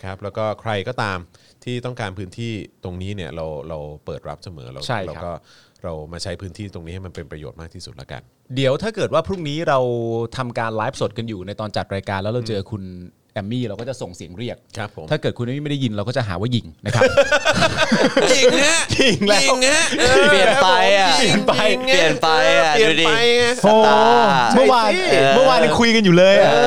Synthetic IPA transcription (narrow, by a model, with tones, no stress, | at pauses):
kʰɾa˦˥p̚lɛ˦˥wkɔː˥˩kʰɾa˧jkɔː˥˩t̪aː˧m | t̪ʰiː˥˩t̪ɔ˥˩ŋkaː˧npʰɯː˦˥nt̪ʰiː˥˩t̪o˧ŋniː˦˥ni˥˩ɐɾa˧wɾa˧wpɤː˨˩t̪̚ɾa˦˥p̚sa˧mɤ̰ː˩˦lɛ̰˦˧wt͡ɕʰa˦˥˩jlːɛ˦kɔː˥˩ | ɾa˧wmaː˧t͡ɕʰa˦˥jpʰɯː˦˥nt̪ʰiː˥˩t̪o˧ŋniː˦˥ha˥˩jma˧npe˧npɾa˧joː˨˩t̪̚maː˥˩kt̪ʰiː˥˩su˨˩t̪̚la̰˥ka̰˧n | di˩˦əwt̪ʰaː˥˩kɤː˨˩waː˥˩pʰɾu˥˩ŋniː˦˥ɾa˧wt̪ʰa˧mkaː˧nlaː˦˥p̚so˨˩t̪̚ka˧njuː˨˩na˧jt̪ɔː˧nt͡ɕa˨˩t̪̚ɾaː˧jkaː˧lɛ˦˥wɾa˧wt͡ɕɤː˧kʰu˧n | ʔɛ˧mːiː˥˩ɾa˧wkɔ˥˩t͡ɕa˨˩so˨˩ŋsi˨˩˦əŋɾi˥˩ək̚kʰa˦pʰo˩˦aː˥˩kɤː˨˩kʰu˧nʔmiː˥ma˥˩da˥˩ji˧nɾa˧wkɔ˥˩t͡ɕa˨˩ɦa̰ː˩˦waː˥˩ji˨˩ŋna˦kʰa˦˥˨ | t͡ɕi˨˩ŋlɛ˦˥ŋ˦˥t͡ɕi˨˩i˨˦ji˨˩npa˧jŋi˧˩na˧˦ji˨˧i˧˥ʔoː˧˩˧mɯ˥˩əwaː˧nmɯ˥˩waː˧n˧kʰu˧jka˧njuː˨˩lɤː˧jʔa˨˩